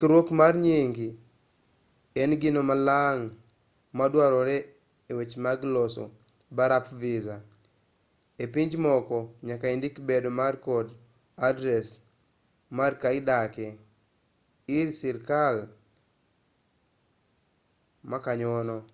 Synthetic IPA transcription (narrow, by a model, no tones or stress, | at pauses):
tɾwokmarɲeŋɡi | ɛnɡinomalaŋ | madwaɾɔɾɛ | ewet͡ʃmaɡlɔsɔ̰ | baɾapviza | epiɲd͡ʒmɔkɔɲakaindikbedomarkɔd | adɾɛs | markaɪdakɛ | iɾsiɾkal | makaɲɔnɔ